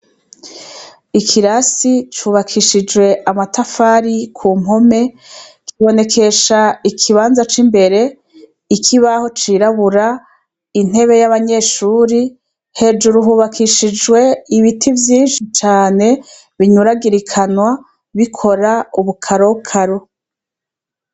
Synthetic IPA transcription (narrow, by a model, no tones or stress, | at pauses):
ikʰiɾasit͡ʃuːβakʰiʃid͡ʒwe̞ʔamatafaɾikʰuːmho̞me̞ | kiβo̞ne̞kʰe̞ʃaikʰiβaːnzat͡ʃimbe̞ɾe̞ | ikʰiβaho̞t͡ʃiːɾaβuɾa | in̥he̞βe̞jaβaɲe̞ʃuːɾi | he̞d͡ʒuɾuɦuːβakʰiʃid͡ʒwe̞iβitʰivjiːnʃit͡ʃaːne̞ | βiɲuɾaɡiɾikʰanwa | βikʰo̞ɾauβukʰaɾo̞ukʰaɾo̞